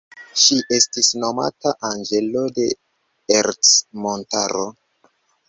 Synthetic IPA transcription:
ʃiʔe̞stisno̞ma̰taʔand͡ʒe̞lo̞de̞ | eɾsmontaɾo

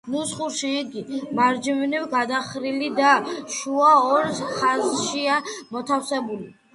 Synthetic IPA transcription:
nusχuɾʃiːɡimaɾd͡ʒivniwɡad̪aχɾilid̪aʃuaɔɾχazʃiamɔt̪ʰafsɛbuli

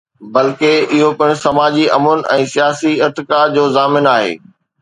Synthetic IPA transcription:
bɐlkeɪɦopɪɽ̃sɐmaːd͡ʑiɐ̰mʊnɛ̰̃ːsijaːsiɪɾt̪ɪkad͡ʑoːzaːmɪnaːɦḛː

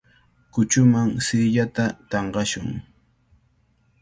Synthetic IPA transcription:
kʊt͡ʃʊmaŋsɪːʎat̪at̪ɑɴɢɑʃʊŋ

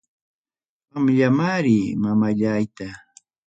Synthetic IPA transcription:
amʎamaɾimamaʎajt̪a

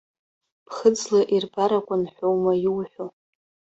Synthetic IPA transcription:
pʰχəd͡zlaʔirbaɾakʷʼanħʷowmajuwħʷᶣo

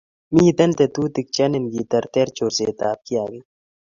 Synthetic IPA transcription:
miːt̪ɐnt̪et̪uːt̪ik̚t͡ʃɐnɪnɡiːt̪ɐɾt̪eɾt͡ʃoːɾseːt̪aːp̚kijaːɡɐj

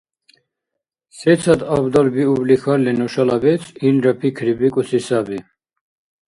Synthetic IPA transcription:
sɛt̪t͡sʰad̪abd̪albiublixaɾllɛnɔʃalabɛt͡sʰinɾapʰikʰɾibikʼusisabi

